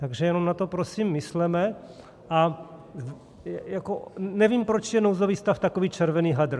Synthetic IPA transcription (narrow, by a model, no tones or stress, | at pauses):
t̪aɡʒɛjɛnomnat̪o̞pɾosimːɪslɛmɛ | ʔa | jakonɛviːmpɾot͡ʃjɛnowzoviːst̪aft̪akoviːt͡ʃɛɾvɛniːɦad̪r̩